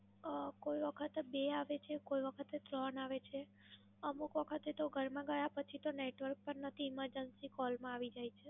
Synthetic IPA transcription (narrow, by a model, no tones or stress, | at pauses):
koiʋəkʰət̪beaʋet͡ʃʰekoiʋəkʰət̪et̪ɾənaʋet͡ʃʰe | əmukʋəkʰət̪et̪oɡʱəɾmãɡəjapət͡ʃʰit̪oneʈʋəɾk̚pəɾnət̪ʰiɪməɾd͡ʒənsikɔlmãaʋid͡ʒajt͡ʃʰe